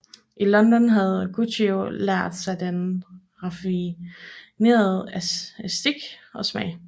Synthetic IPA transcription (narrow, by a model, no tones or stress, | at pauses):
ʔilɒ̽nd̥ɒ̽nɦæð̞̩ˠɡ̥ʰut͡siolæɐ̰d̥sɑ̈ɪd̥en | ʁɑfi | ne̝̰ːɐð̩ˠæsd̥iɡ̥ɒ̽smɛɪ